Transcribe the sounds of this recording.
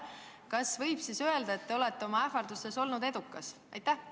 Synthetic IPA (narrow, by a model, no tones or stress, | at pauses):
kɑsvɤjb̥sisø̞e̞ld̪ɑe̞t̪ːe̞o̞le̞t̪ːe̞o̞mɑæfɑrd̪use̞so̞lnud̪e̞d̪ukːˑɑs | ɑjt̪ːˑæh